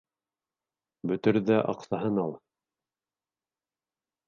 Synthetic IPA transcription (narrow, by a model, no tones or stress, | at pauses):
bɵ̆t̪ɘ̆ɾðæʔɑ̰qθɑɦɤnɑlˠ